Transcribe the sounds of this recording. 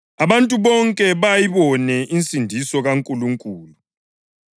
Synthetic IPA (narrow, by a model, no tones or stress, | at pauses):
aβantʼuβɔŋkʼɛβajiβɔnɛʔint͡sʼindʱisɔɣaŋkʼuluŋkʼuːlu